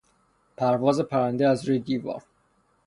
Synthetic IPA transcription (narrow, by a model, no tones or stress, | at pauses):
pʰæɾvɒːze̞pʰæɾænd̪eæzɾujed̪iːvɒ̰ːɾ